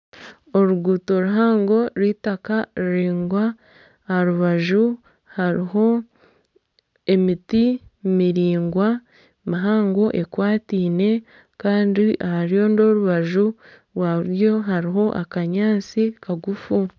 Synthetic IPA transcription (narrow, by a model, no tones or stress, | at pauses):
o̞ɾuɡuːto̞ɾuɦaːŋɡo̞ɾiːtakaɾiɾiːŋɡwa | ɾuβaʒu | haɾiho̞ | e̞mitimiɾiːŋɡwa | maɦaːŋɡo̞ʔe̞kwaːtiːne̞ | kaːndiʔahaɾijo̞ːndo̞ɾuβaʒu | ɾwaɾjo̞ɦaɾiɦo̞ʔakaɲaːt͡sikaɡufu